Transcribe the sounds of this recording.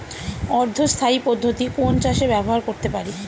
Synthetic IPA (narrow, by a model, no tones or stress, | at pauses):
ɔɾd̪ʱost̪ʰaipod̪ʱːot̪ikont͡ɕaʃebɛboɦaɾkoɾt̪epaɾi